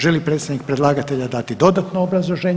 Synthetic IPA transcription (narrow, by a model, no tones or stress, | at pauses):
ʒelipɾet̪sd̪nik̚pɾed̪lˠaːɡat̪eʎad̪at̪id̪o̞d̪at̪noːbɾazlˠoʒeːɲ